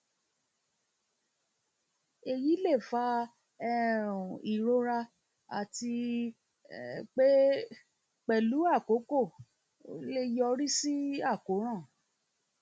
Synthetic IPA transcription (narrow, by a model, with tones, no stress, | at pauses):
e˨ji˨˦le˦˨fa˧˦ | ɛ˦˨ɾũ˨i˨ɾo˧˦ɾa˧ | a̰˨ti˧ | k͡pe˦ | k͡pɛ˨lu˨˦a˦˨ko˨˦ko˦˨ | o˦le˦jɔ˧ɾi˦si˦a˦˨ko˨˦ɾ̃ã˦˨